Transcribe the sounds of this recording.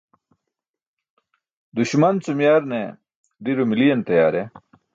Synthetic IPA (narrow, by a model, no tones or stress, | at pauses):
d̪uɕmɐnt͡sumjaːɾne | d̪iɾumilijɐnt̪ɐjaːɾe